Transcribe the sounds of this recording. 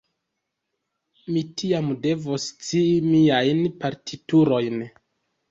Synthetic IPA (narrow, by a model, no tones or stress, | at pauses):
mitʰiamde̞vost͡siːmiajnpaɾtʰituɾo̞jn